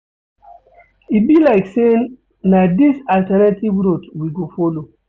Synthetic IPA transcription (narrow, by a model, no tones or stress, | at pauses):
ibilaɪkse | nadisaltɛnativɹotwiɡofɔlo